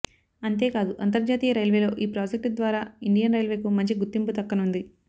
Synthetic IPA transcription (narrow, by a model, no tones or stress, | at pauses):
ɐnt̪e̞ːkaːd̪uʔɐnt̪ɐɾd͡ʒaːt̪iːjɐɾɐjlʋe̞ːlo̞ːʔiːpɾaːd͡ʒek̚ʈd̪ʋaːɾaːiɳɖijɐnɾɐjlʋe̞ːkumɐɲt͡ʃiɡut̪ːimput̪ɐkːɐnund̪i